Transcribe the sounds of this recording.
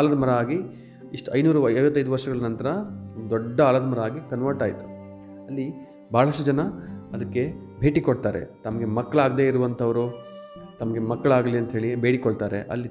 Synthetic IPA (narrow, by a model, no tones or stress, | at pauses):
aːlɐd̪ɐmɐɾɐaːɡi | iʂʈuɐjnuːɾuɐɐjʋɐt̪ːɐjd̪uʋɐɾʂɐɡɐɭɐnɐnt̪ɐɾɐond̪ud̪ɔɖːɐaːlɐd̪ɐmɐɾɐaːɡikɐnʋɐɾʈaːjt̪u̥ | ɐlːi | bʱaːɭɐʂʈud͡ʒɐnɐɐd̪ɐkːe̞ | bʱe̞ːʈikoɽt̪aːɾḛt̪ɐmɐɡe̞mɐkːɐɭaːɡd̪e̞ːiɾuʋɐnt̪ʰɐʋɐɾut̪ɐmɐɡe̞mɐkːɐɭaːɡɐliɐnt̪ɦeːɭibʱe̞ːɽikoɽt̪aːɾe̞̰ʔɐ̰lːi